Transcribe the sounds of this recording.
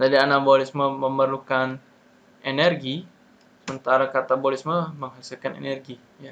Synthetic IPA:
d͡ʒadianabolisməməmərlukan | enɛrɡi | səmənt̪aɾakat̪abolisməməŋɦasilkanḛnɛrɡi | ja

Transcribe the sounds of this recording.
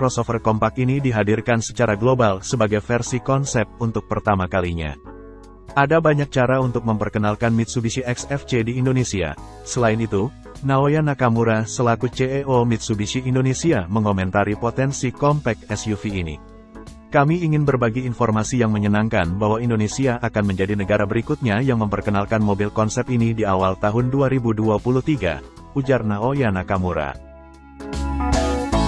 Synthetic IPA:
kɾɔsofərkɔmpakinidiɦadirkansə̥t͡ʃaɾaɡlobalsəbaɡajfɛrsikɔnsɛp̚t̪̚unt̪ʊk̚pərt̪amakaliɲa̰ | adabaɲak̚t͡ʃaɾaunt̪ʊk̚məmpərkənalkanmit̪̚subisiʔɛksɛft͡ʃediːndonesia̰ | səlaɪnit̪u | naojanakamuɾasəlakut͡ʃeeʔomit̪̚subisiːndonesiaməŋomɛnt̪aɾipot̪ɛnsikɔmpɛk̚ɛsjufiːnḭ | kamiːŋɪnbərbaɡiːnfɔrmasijaŋməɲənaŋkanbaɦwaindonesiaʔːkanməɲd͡ʒadinəɡaɾabəɾikut̪̚ɲajaŋməmpərkənalkanmobilkɔnsɛp̚inidiawalt̪aɦʊnduaɾibuduapuluht̪iɡa̰ | ud͡ʒarnaojanakamuɾa̰

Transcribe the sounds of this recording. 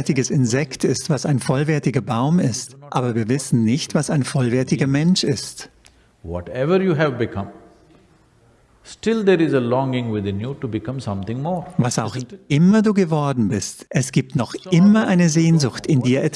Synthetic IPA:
ɐtɪɡəsɪnzɛktʰɪstv̥asaɪnfɔlvɛɐtɪɡɐbaʊmɪstʔaːbɐviːɐvɪsn̩nɪçtv̥asaɪnfɔlvɛɐtɪɡɐmɛnʃɪst | wɔ̰ʈɛʋəɾjuːɦɛvbɪkʰʌ̃m | sʈɪld̪eɾɪzəlɔ̃ŋɪ̃ŋwɪd̪ɪ̃njuʈubɪkʌ̃msʌ̃mt̪ɪ̃ŋmɔːɾvasaʊxʔɪmɐduːɡəvɔɐdn̩bɪstʔɛsɡ̥iːp̚tnɔχʔɪmɐʔaɪnəzeːnzʊxtɪndiːɐʔɛɐt

